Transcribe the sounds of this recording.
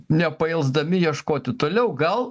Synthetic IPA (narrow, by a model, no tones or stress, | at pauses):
nʲɛpɐɪlˠzd̪ɐmʲɪjiɛʃkoːt̪ʲɪt̪oːlʲɛʊɡɐlˠ